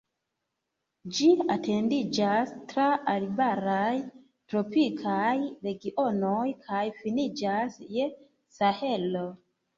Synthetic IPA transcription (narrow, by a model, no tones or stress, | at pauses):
d͡ʒiate̞ndid͡ʒastɾaːlibaɾaj | tɾo̞pikʰajɾe̞ɡiʔo̞nojkʰajfinid͡ʒasje̞ | sahe̞lo̞